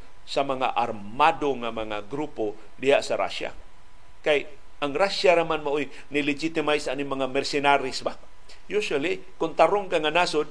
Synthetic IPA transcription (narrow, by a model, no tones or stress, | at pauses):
samaŋa̰ʔar | madoŋamaŋa̰ɡɾupo | dɪhaʔsaɾa̰ʃa̰ | kaj | ʔaŋɾaʃaɾamanmaʔoj | nɪlɪd͡ʒit̪ɪmajsʔanɪŋmaŋamɛrsɪnaɾɪsba | juʃali | kʊnt̪aɾʊŋɡaŋanasʊd̚